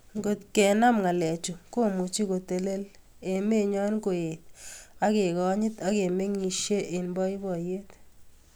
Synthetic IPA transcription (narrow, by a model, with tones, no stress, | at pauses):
ŋɡo˨tkɛ˨na˦mŋa˨lɛ˨t͡ʃu˨ko˦mu˨t͡ʃi˦ko˨te˨le˦l | e˨me˦ɲɔ˦nko˨e˨t̚a˦ke˨kɔ˦ɲɪ˦ta˦ke˨me˦ŋi˨ʃje˦ʔe˨nbɔ˦i˦bɔ˨je˦t